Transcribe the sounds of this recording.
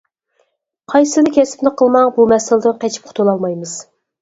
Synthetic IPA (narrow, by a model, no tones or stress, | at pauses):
qʰɑjsɨd̪ɪkʲʰɛsɪ̥pnɪqʰəlˠmɑŋbumɛsɪlɪd̪ɪnqɛt͡ʃʰi̥p̚qʰʊ̥t̪ʰulˠɑlˠmɑjmɨz̥